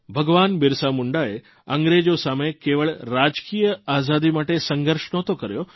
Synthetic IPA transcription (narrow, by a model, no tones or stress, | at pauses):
bʱəɡʋanbɪɾsamuɳɖae | əŋɡɾed͡ʒosamekeʋəɭɾad͡ʒkijəazad̪imaʈesəŋɡəɾʃɳot̪okəɾjo